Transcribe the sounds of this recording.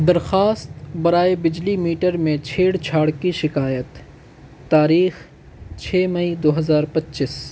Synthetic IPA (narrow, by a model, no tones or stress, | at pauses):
d̪ɐɾxaːst̪bɐɾaːebɪd͡ʒlimiːʈəɾmẽt͡ʃʰeːɽt͡ʃʰaːɽkiʃɪkaːjət̪ː | aːɾiːx | t͡ʃʰeːmɐid̪oːɦɐzaːɾpɐtːt͡ʃɪs